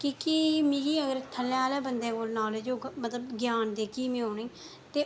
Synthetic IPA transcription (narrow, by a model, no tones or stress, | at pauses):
kiːkimiːɡiːəɡəɾt̪ʰəlːẽaːleːbənd̪ẽːkoːlnaːlːd͡ʒoːmət̪ləbɡjaːnd̪eːkiːmĩːoːnĩː | t̪eː